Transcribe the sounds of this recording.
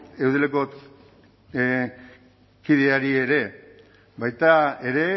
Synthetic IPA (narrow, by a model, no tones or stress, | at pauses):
e̞wðeleko̞ | kiðeaɾie̞ɾe̞ | bajt̪ae̞ɾe̞